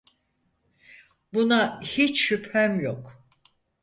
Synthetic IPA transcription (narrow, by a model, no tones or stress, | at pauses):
bunahit͡ʃʃyphæmjok